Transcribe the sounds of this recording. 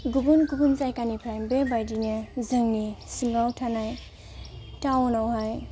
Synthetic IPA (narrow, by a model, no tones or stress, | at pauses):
ɡubunɡubunzajkanipʰɾajbebajdinɯzɯŋnisimɾawtʰanaj | tawnawɦaj